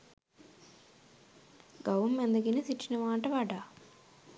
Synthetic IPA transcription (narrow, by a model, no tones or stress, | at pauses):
ɡɐwumːend̪ɐkinisit͡ʃːinɐʋaːɳʈɐʋaːʈa